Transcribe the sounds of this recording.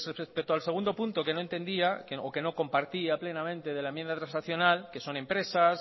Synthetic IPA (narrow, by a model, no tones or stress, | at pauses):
reespet̪oalseund̪o̞punt̪oke̞no̞ent̪e̞nd̪iakoke̞no̞ko̞mpaɾt̪iaple̞namẽnt̪e̞ðe̞laemje̞nd̪at̪ɾansnaθjo̞nalke̞so̞ne̞mpɾe̞sas